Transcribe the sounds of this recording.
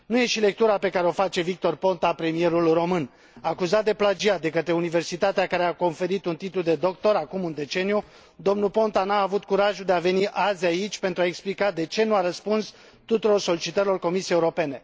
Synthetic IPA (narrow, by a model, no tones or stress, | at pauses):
nuje̞ʃile̞k̚t̪uɾape̞kaɾeo̞fat͡ʃe̞vik̚t̪o̞rpo̞nt̪apɾe̞mije̞ɾulro̞mɨn | akuzat̪̚d̪e̞plad͡ʒiad̪e̞kət̪ɾe̞unive̞rsit̪at̪eakaɾeako̞nfe̞ɾit̪unt̪it̪lud̪e̞d̪o̞k̚t̪o̞ɾakumɨnd̪e̞t͡ʃe̞niju | d̪o̞mnulpo̞nt̪anaːvut̪̚kuɾaʒud̪e̞ave̞niʔazait͡ʃʲpe̞nt̪ɾuaeksplikad̪e̞t͡ʃe̞nuaɾəspuns | t̪ut̪uɾo̞rso̞lit͡ʃit̪əɾilo̞rko̞misiejeuɾo̞pe̞ne̞